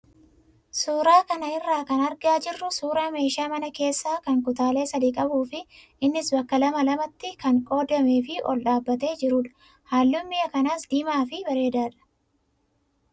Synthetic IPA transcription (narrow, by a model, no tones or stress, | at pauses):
suːɾaːkɐnɐɪrːaːkɐnɐɾɡaːd͡ʒɪrːʊsuːɾaːme̞ːʃaːmɐnɐke̞ːsːaːkɐŋkʊt̪aːle̞ːsɐd̪iːkʼɐbuːfɪʔɪnːɪsbɐkːɐlɐmɐlɐmɐt̪ːɪkɐŋkʼo̞ːd̪ɐmeːfɪʔɔ̰lɗaːbːɐt̪e̞ːd͡ʒɪɾuᶑɐ̥ | haːlːʊmːɪjɐkɐnaːsd̪iːmaːfɪbɐɾe̞ːd̪aːᶑɐ̥